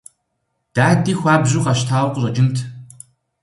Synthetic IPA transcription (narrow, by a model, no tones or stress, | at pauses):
d̥aːdiːxʷaːbʑuːqɐʃtʰaːwqʷʊɕʼɐd͡ʒɪntʰ